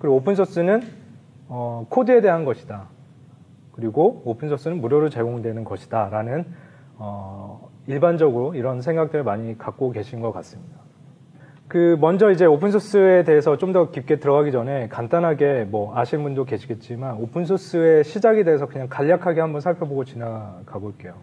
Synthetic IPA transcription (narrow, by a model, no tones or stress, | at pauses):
kɯɾiɡoopʰɯnsʰos͈ɯnɯn | ʌkʰodɯe̞de̞ɦanɡʌɕʰi̥da | kɯɾiɡoopʰɯnsʰos͈ɯnɯnmuɾjoɾɯɭt͡ɕe̞ɡoŋdwe̞nɯnɡʌɕʰi̥d̥aɾanɯn | ʌ | iɭband͡ʑʌɡɯɾoiɾʌns̬ʰe̞ŋɡak̚t͈ɯɾɯmaɲikak̚k͈oke̞ɕʰinnɡʌk͈a̰s͈ɯmɲida | kɯmʌnd͡ʑʌid͡ʑe̞opʰɯnsʰos͈ɯe̞de̞ɦesʰʌt͡ɕ͈omdʌkip̚k͈e̞tɯɾʌɡaɡid͡ʑʌne̞kantanɦaɡe̞mwʌaɕʰinbundoke̞ɕʰiɡe̞t̚t͡ɕ͈imanopʰɯnsʰos͈ɯe̞ɕʰid͡ʑaɡe̞de̞ɦes̬ʰʌkɯɲaŋkaʎːakʰaɡehambʌnsʰaɭpʰjʌboɡot͡ɕinaɡaɡoik͈e̞jo